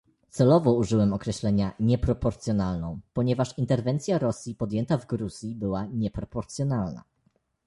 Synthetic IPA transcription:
t̪sɛlɔvɔuʐɘwɛmɔkɾɛɕlɛɲaɲɛpɾɔpɔɾt̪sʲjɔnalnɔ̃w̃pɔɲɛvaʂint̪ɛɾvɛnt̪sʲjaɾɔsʲjipɔd̪jɛnt̪avɡɾuz̥ʲjibɘwaɲɛpɾɔpɔɾt̪sʲjɔnalna̰

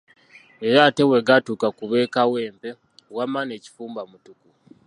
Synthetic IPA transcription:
eɾaːte̞we̞ɡatuːkakuβe̞ːkawe̞ːmpe̞ | wamane̞ːci̥fuːmbamutuku

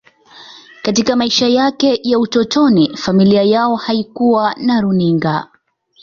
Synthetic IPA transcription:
katikamaiʃajakɛjautɔtɔnifamiliajaɔhaikuwanaɾuniŋɡa̰

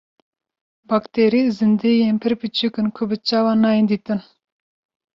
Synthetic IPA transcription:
bɑkt̪ʰeɾizɨnd̪ejempʰɨɾpʰɨt͡ʃʰukɨnkʰʊbɨt͡ʃɑwɑnɑːjind̪it̪ɨn

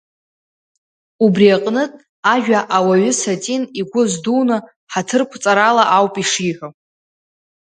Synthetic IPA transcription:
ubriaqʼnɨtʼ | aʒᶣaʔawaɥʏsatʼiniɡʷʊzdunɨ | ħatʰɨrkʷʰt͡sʼaɾalaʔawpʼiʂiħʷʊ

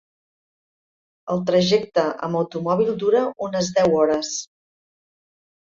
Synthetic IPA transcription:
əlˠt̪ɾəʒɛk̚t̪əʔə̰məwt̪umɔβ̞ilˠd̪uɾəunəzðɛwɔɾəs

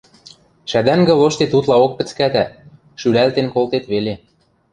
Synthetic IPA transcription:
ʃæd̪æŋɡɘ̆loʃt̪et̪ut̪lɑok̚pɘ̆t͡skæt̪æ | ʃylælt̪enkolt̪et̪βele

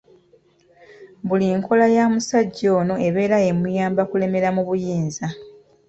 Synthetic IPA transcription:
buliŋkʰo̞lajaːmusaɟːo̞ːno̞ʔe̞βe̞ːɾae̞mujaːmbakule̞me̞ɾamuβujiːnza

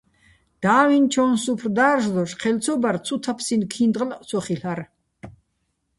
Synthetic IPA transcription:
d̪̥aːwint͡ʃʰɔnsupʰrd̪aːɾʒlɔʃqʰɛlt͡sʰɔbart͡sʰut̪ʰapʰsinkʰind̪ʁʼlt͡sʰɔχiɬaɾ

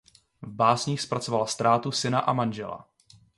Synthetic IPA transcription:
vbaːsɲiːxspɾat͡sovalast̪ɾaːt̪usɪnaʔamanʒɛla̰

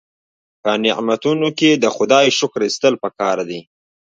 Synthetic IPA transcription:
pənɪʔmat̪unoked̪əxʊd̪ɑjʃʊkɾist̪əlpəkɑɾd̪i

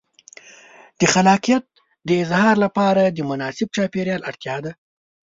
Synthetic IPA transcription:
d̪̥əxalɑqijat̪̚ | d̪əɪzhɑɾlapɑɾad̪əmʊnɑsɪb̚t͡ʃɑpeɾjɑlaɽt̪jɑd̪a

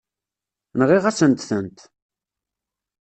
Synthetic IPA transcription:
nʁiʁasənt̪θənt̪

